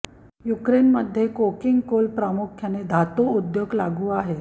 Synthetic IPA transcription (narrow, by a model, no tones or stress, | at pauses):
jukɾenməd̪ʱjekokiŋɡkolpɾamukʰjaned̪ʱat̪oud̪joɡlaɡuːaɦe